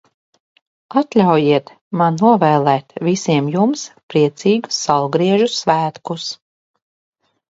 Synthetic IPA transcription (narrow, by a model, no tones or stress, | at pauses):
at̪lʲawjiɛt̪ | manːuɔvɛːlˠɛːt̪visiɛmjumspɾiɛt̪siːɡu̥sːalɡɾiɛʒusvæːt̪kus